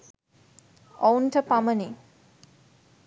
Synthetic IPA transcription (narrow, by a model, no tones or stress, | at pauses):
ɔwntʰɐpaməni